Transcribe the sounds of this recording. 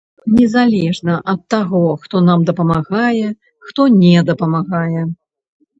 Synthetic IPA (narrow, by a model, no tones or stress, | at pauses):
nʲɛzalʲɛʐnɐʔɐt̪ːaɣɔxt̪ɔnamd̪ɐpɐmaɣajɛ | xt̪ɔnʲɛd̪ɐpɐmaɣajɛ